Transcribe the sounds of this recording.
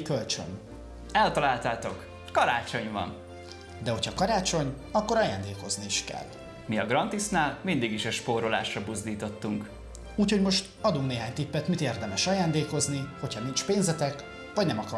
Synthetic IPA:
kølt͡ʃø̰n | ɛlt̪ɒlaːlt̪aːt̪o̞k | kɒɾaːt͡ʃo̞ɲvɒ̰n | d̪ɛɦo̞cʰhɒkɒɾaːt͡ʃo̞ɲ | ɒkːo̞ɾɒja̰ːnd̪eːko̞zniːʃkɛ̰lː | miɒɡrɒnt̪isnaːlmind̪iɡiʃɛʃpoːɾola̰ːʃrɒbuzd̪iːt̪o̞t̪ːuŋk | uːcho̞ɟmo̞ʃt̪ɒd̪uŋkneːɦaːɲt̪ipːɛt̪mit̪eːrd̪ɛmɛʃɒjaːnd̪eːko̞zniho̞cʰhɒnint͡ʃpeːnzɛt̪ɛk | vɒɟnɛmɒkɒ

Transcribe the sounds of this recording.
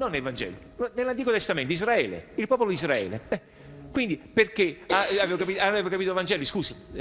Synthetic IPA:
nonːelvand͡ʒɛ̰ːli | nonelːant̪iːkot̪est̪amẽnt̪iz̬ɾaɛːlḛilpɔːpolod̪izɾaɛ̰ːlḛɛ | kwind̪iperkeaaveːvokapit̪aveːvokapiːt̪ovand͡ʒɛːliskuːsi

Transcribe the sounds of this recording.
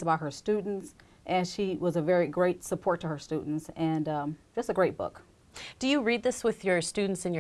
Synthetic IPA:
zəbaʊt̚hə˞stʉdⁿn̩ts | ʔɨ̃nʃiwʌzɨvɛɹiɡɹeɪtsəpʰɔɹtʰəə˞stʉdⁿn̩tsɨ̃nʌ̥̃ | ʒʌstɨɡɹeɪt̚b̥ʊ̰k | d̥ɨjɨɹid̪̚ðɪswɪðjə˞stʉdⁿn̩tsɨ̃njə

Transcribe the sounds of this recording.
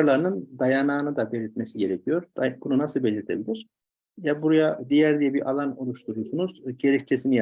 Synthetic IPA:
ɾlˠaɾɯnɯnd̪ajanaːnɯd̪abelʲit̪mesiɟe̞ɾɛcʰijo̞ɾd̪̥abununasɯlˠbelʲiɾt̪ʰebilʲiɾ̥ | jabuɾujad̪ijæɾd̪ijɛbiɾʔalˠano̞lˠuʃt̪uɾusunuz̥ɟe̞ɾɛc̚t͡ʃ̪ʰesinija

